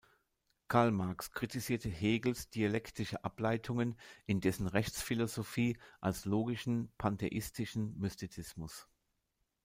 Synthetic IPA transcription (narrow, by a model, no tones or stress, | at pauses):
kʰaɐlmaɐkskʁ̥itiziːɐtʰəɦeːɡl̩sd̥ialɛktʰɪʃəʔaplaɪtʰʊŋənʔɪndɛsn̩ʁɛçt͡sfilozofiːʔalsloːɡɪʃn̩pʰantʰeʔɪstʰɪʃn̩mystit͡sɪsmʊs